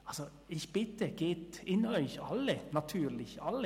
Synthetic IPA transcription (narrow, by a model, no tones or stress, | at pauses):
ɑlsɔ | ɪçb̥ɪt̪ːəɡeːt̪ɪnœʏçɑlːənɑt̪ʰʉːɾlɪçɑlːə